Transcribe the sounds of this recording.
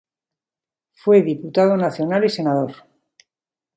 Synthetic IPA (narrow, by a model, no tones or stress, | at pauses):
fwe̞ðiput̪að̞o̞naθjo̞nalise̞nað̞o̞ɾ